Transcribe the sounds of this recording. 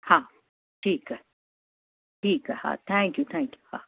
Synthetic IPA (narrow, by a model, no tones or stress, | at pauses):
ha | t͡ʃiːka | t͡ʃiːkaha̰t̪aŋkjut̪ãŋkju̥ha̰